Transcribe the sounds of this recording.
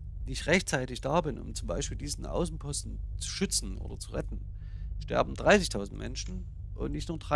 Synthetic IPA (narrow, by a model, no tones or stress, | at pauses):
viːɪçʁɛçtt͡saɪtɪçd̥aːbɪnʔʊ̰mt͡sʊmbaɪʃpiːldiːzn̩ʔa̰ʊsn̩pʰɔstn̩t͡su̥ʃʏt͡sn̩ʔo̰ːdɐt͡suʁɛtn̩ | ʃtɛ̰ɐbm̩dʁaɪsɪçtʰaʊzn̩tmɛ̰nʃn̩ | ʔʊ̰ntnɪçtnuːɐdʁa